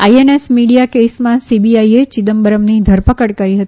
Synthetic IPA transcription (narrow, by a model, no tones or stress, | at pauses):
ajenesmiɽijakesmãsibiaiet͡ʃid̪əmbəɾəmnid̪ʱəɾpəkəɽkəɾiɦət̪ii